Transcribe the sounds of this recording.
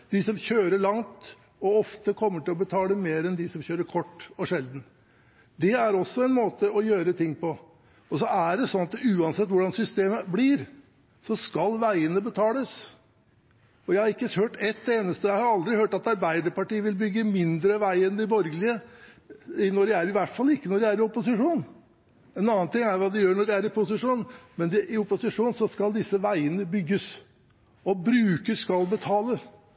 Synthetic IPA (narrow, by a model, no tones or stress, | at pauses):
d̪̥ɪsɔmçøːɾəɭɑŋt̪ | ɔɔft̪əkʰɔmːəʈɪlɔbət̪ʰɑːləmeːɾɛnd̪ɪsɔmçøːɾəɾkʰɔʈːɔʂɛld̪n̩ | d̪ɛæɾɔsːɔɛnmoːt̪əɔjøːɾət̪ʰɪŋːpɔ | ɔsɔæɖɛsɔnɑt̪ʉːɑnsɛt̪ːʋʊɖɑnsʏst̪eːməblɪɾ | sɔskɑlʋæɪənəbət̪ʰɑːləs | ɔjæɪhɑɾɪkːəhøːʈɛt̪ːeːnəst̪əɔjæɪhɑɾɑld̪ɾɪhøːʈɑt̪ɑɾbæɪd̪əɾpɑʈiːəʋɪlbʏɡːəmɪnd̪ɾəʋæɪɛnd̪ɪbɔɾɡəlɪə | ɪnɔɖɛæɾɪʋæʈfɑlːɪkːənɔɖɛæɾɪɔpːʊsɪʂuːn | ɛnɑːənt̪ʰɪŋːæɾʋɑːd̪ɛjøːɳɔɖɛæɾɪpʊsɪʂuːnmɛnd̪ɛʔɪɔpʊsɪʂuːnsɔskɑld̪ɪsːəʋæɪənəbʏɡːəs | ɔbɾʉːkəsskɑlbət̪ʰɑːləs